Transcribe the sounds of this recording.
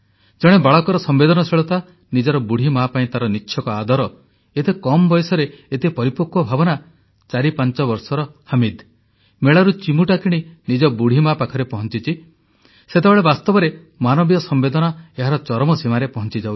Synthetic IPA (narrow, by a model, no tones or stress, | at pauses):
d͡ʒɔɽ̃ebaɭɔkɔɾɔsɔmbed̪ɔnɔseɭɔt̪a | nid͡ʒɔɾɔbuɽ̤ʱimapaĩt̪aɾɔnitːʃʰjɔkɔad̪ʱɔɾɔ | et̪ekɔmbɔjɔsɔɾeet̪epɔɾipɔkːwɔbʱabɔna | t͡ʃaɾipant͡ʃɔbɔɾsɔɾɔhamid̪ | meɭaɾut͡ʃimuʈakʰiɽ̃inid͡ʒɔbuɽ̤ʱimapakʰɔɾepɔɦɔnt͡ʃit͡ʃʰi | set̪ebeɭebast̪ɔbɔɾe | manɔbijɔsɔmbed̪ɔnɔeɦaɾɔt͡ʃɔɾɔmɔsimaɾepɔɦɔnt͡ʃid͡ʒaw